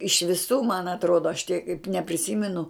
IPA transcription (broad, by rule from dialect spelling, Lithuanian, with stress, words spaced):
ɪʃ ʋʲɪˈsuː mɐn ɐtˈroːdoː ɐʃ tʲiɛk nʲɛpʲrʲɪˈsʲiːmʲɛnʊ